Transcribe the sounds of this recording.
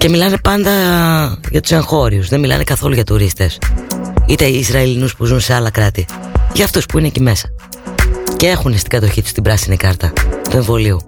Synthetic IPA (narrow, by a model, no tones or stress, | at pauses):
ce̞milɐne̞pɐnd̪ɐ | ʝɐt̪u̥se̞ŋxo̞ɾiusðe̞milɐ̰nekɐθo̞luʝɐt̪uɾist̪e̞s | it̪e̞iːzɾɐilinuspuzunse̞ɐlɐkɾɐt̪iʝɐːft̪uspuinecime̞sɐ̥ | cee̞xunest̪i̥ɡɐt̪o̞çit̪u̥st̪ibɾɐsinikɐɾt̪ɐt̪ue̞ɱvo̞liu